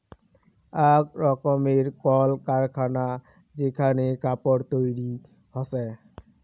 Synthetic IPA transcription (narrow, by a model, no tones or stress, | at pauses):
akɹɔkɔmeɹkɔlkaɹkʰana | zekʰanekapɔɾt̪ojɾi | hɔsɛ